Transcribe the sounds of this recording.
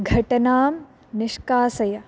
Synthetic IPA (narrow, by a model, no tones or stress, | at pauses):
ɡʱɐʈɐnaːm | niʂkaːsɐjɐ